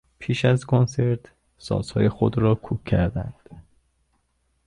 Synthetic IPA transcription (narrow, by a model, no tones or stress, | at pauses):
pʰiːʃæzkʰonse̞ɾt̪ | sɒ̰ːzhɒ̰ːjexod̪ɾɒːkʰuːkʰːæɾd̪æ̰nd̪̥